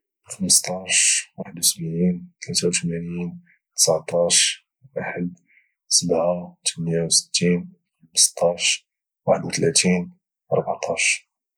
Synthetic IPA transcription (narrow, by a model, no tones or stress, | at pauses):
xəməst̪ˤɑʃwaħəd̪wsəbʕint̪læt̪awt̪mænin | t̪ə̥sʕt̪ˤɑʃ | waħəd̪ | səbʕat̪ʰəmnjawsə̥t̪ːin | xməst̪ˤɑʃ | waħəd̪wət̪læt̪in | ʔɑ̰ɾˤbaʕt̪ˤɑʃ